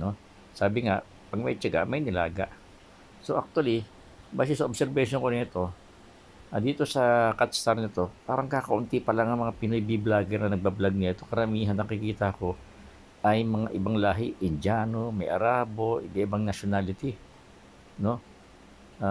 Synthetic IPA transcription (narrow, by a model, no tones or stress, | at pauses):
no̞ | saːbɪŋaʔ | pɐɡ̚mɐjt͡ʃɐɡa̰ʔmɐjnɪla̰ːɡa̰ʔ | soʔak̚t̪ʊwɐli | baːs̬ɛsɐʔobsɛɾbɛʃoŋkonɛt̪o̞ | ʔɐd̪iːt̪o̞sɐkat̪st̪aɾnɐt̪o̞paːɾɐŋkaːkɐʔʊnt̪ipɐlaŋɐŋmɐŋapɪnojbiblaːɡɪnɐnɐɡ̚bablaɡ̚nɪɐt̪okɐɾɐmiːɦanːɐkɪkiːt̪ɐɐko̞ | ʔɐjmɐŋaʔɪbaŋlaːɦɪʔɪnd͡ʒaːnomɐjʔɐ̰ɾaːbo̞ʔɪbɛʔɪbaŋnɐʃonaːlɪt̪ɪ | no̞ | ʔa